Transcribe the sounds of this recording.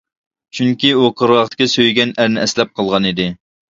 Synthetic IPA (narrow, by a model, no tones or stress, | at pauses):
t͡ʃʰyŋkʲiuqʰəɾʁɑχt̪ɪ̥kʲɛsøjɡʲɛnæɾnɪʔɛslɛp̚qʰəlˠʁɑnid̪ɪ